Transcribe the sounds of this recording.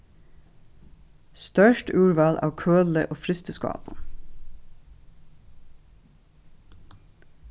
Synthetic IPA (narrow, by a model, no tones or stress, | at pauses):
st̪œʃʈʉːɹʋɑːlʔɑ̰ːʋkʰøːləʔoːfɾɪst̪əskɑ̰ːp̪